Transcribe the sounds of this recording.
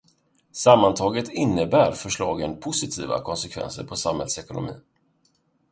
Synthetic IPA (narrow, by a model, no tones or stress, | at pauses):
samːant̪ʰɑːɡət̪ɪnːəbæːɾfœʂɭɑ̰ːɡənpʰʊsɪt̪ʰiːva̰kʰɔnsɛkʰvɛ̰nsə̰ɾpʰɔsamhɛld̪sɛkʊnʊmḭː